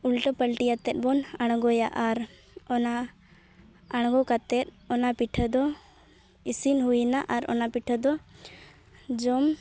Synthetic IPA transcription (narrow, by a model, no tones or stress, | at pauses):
ulʈəpəlʈijat̪ɛt̪̚bɔnaɽ̃ɡɔjaʔaɾ | ɔna | aɽ̃ɡɔkat̪ɛt̪̚ˀ | ɔnapiʈʰəd̪ɔ | isinɦunaʔaɾɔ̰napiʈʰəd̪ɔ | d͡ʒɔm